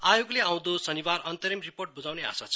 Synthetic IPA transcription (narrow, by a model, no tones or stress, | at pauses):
ajoɡleaw̃d̪osʌnibarʌnt̪ʌɾimriporʈ̚bud͡zawnea̰sat͡sʰʌ̥